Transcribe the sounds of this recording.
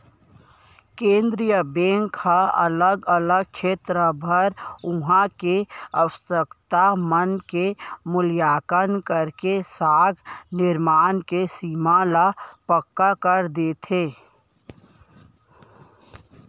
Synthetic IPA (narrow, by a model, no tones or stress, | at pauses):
kẽːnd̪ɾijəbẽːŋkʰːaɐ̰ləɡələɡ̚t͡ʃʰeːt̪ɾəbʱəɾʊɦãkeəʋəsəkt̪amənkemʊljaːkənkəɾkesaːɡnɪɾmaːnkesiːmalapəkːakəɾd̪eːt̪ʰeː